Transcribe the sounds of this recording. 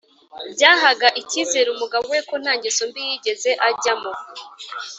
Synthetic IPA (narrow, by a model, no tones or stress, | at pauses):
bɟaːɦaɡaʔiciːzeɾumuɡaβowekon̥haːɲɟesombijiːɟe̞ze̞ʔaɟamo̞